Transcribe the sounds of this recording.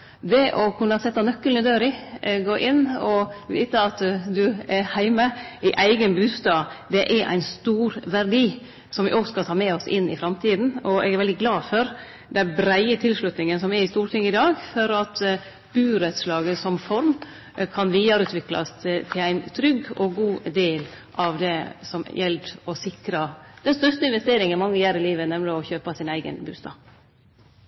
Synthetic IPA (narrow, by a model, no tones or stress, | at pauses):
d̪ɛʔɔkʰʉnːɑsɛt̪ːɑnœkːəlnəd̪øːɾɪɡoːʔɪnːɔʋiːt̪əɑt̪d̪ʉɛɾhæɪməɪʔæɪɡənbʉːst̪ɑːd̪ɛʔɛɾʔæ̰ɪnst̪uːɾʋæɾɖiː | sɔmʋɪ̰ʔɔɡskɑlt̪ʰɑːmɛɔsɪnːɪ̰fɾɑmt̪ʰiːd̪n̩ɔɛ̰ɡæɾʋɛld̪ɪɡlɑːfɔɾ | d̪ɛnbɾæɪət̪ʰɪlʂɭʉt̪nɪŋənsɔmɛɾɪst̪uːɾʈʰɪŋːəɪd̪ɑːɡfɔɾɑt̪ | b̥ʉːɾɛt̪slɑːɡəsɔmfɔɾm | kʰɑnʋiːɑɾʉːt̪ʰʋɪklɑ̰st̪t̪ʰɪlæɪnt̪ʰɾʏɡɔɡuːd̪eːl | ʔɑʋd̪ɛsɔmjɛlt̪ɔsɪkɾəd̪̥ɛnst̪œʂt̪əɪnʋɛst̪eːɾɪŋənmɑŋːəjæːɾɪliːʋənɛmləɔçøːpɑsɪnæɪɡə̰nbʉ̰ːst̪ɑ̰ː